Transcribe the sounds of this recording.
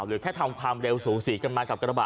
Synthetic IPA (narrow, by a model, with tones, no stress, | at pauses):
wlɨ̰˨˩kʰɛː˦˥t̪ʰa˧wŋ͡mkʰaː˧mɗe˧wsu˨˩˦si˨˦kə˧nmaː˧nka˨˩p̚kːɓa̰ː˨